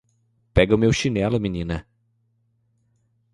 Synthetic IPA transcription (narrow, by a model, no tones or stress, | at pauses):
pɛɡɐʊmewʃinɛlʊminĩnɐ